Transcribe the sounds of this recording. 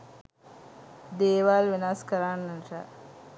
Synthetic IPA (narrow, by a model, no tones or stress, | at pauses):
d̪eːʋaːlʋenaskəɾanːənʈa